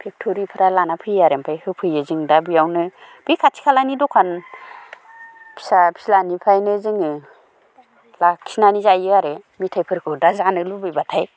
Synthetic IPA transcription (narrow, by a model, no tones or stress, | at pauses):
pʰek̚tʰoɾipʰɯɾalanapʰɯjaɾempʰajhɯpʰɯjɯzɯŋdabɯjawnɯb̥ɯjkʰatʰi̥kʰalanidɔkʰan | pʰi̥sapʰislanipʰajnɯzɯŋɯ | lakʰi̥snanizajɯaɾemitʰajpʰɯɾkʰɯdazanɯlubɯjbatʰaj